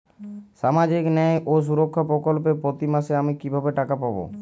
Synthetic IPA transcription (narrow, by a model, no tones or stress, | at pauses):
ʃamad͡ʑiknɛjʔoʃ̬uɾokʰːapɾokolpepɾot̪imaʃeamikibʱabeʈakapabo̰